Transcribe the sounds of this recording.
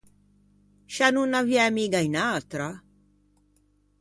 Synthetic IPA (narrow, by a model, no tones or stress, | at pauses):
ʃanunːavjɛmiɡainat̪ɾa